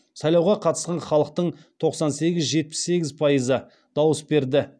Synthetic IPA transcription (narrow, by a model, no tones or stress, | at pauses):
sɑjlˠɑwʁɑqʰɑt̪ə̥sqɑɴχɑlˠəq̚t̪əɴt̪ʰo̞qsɑnse̞ɡʲɪzʒe̞t̪̚pɪ̥sːe̞ɡʲɪzpʰɑjəzə | d̪̥ɑwəsbe̞ɾd̪ɪ